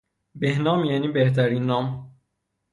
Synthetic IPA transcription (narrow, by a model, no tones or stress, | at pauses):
behnɒːmjæniːbeht̪ʰæɾinːɒːm